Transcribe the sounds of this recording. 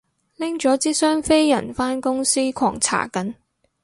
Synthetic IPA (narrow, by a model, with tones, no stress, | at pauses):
lɪ˥ŋt͡ʃɔː˨˥t͡siː˥sœː˥ŋfe˥jjɐ̰˨˩nfaː˥nkʊ˥ŋsiː˥kʷʰɔ̰ː˨˩ŋt͡sʰa̰ː˨˩kɐ˨˥n